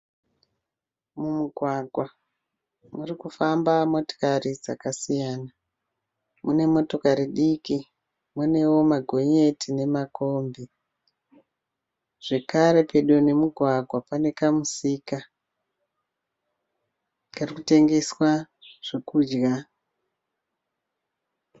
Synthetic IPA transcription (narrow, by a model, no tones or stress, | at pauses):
mumuɡʱwaɡʱwa | murikufambamo̞to̥karid͡za̰kasijaːna | mune̞mo̞to̞kaɾiɗiki | mune̞wo̞maɡʱo̞ɲe̞tine̞mako̞mbi | ʐ̥e̞kaɾe̞pe̞ɗuone̞muɡʱwaɡʱwapane̞kamusiːka | karikute̞ŋɡe̞swaʐ̥ekuːd͡ʒɡa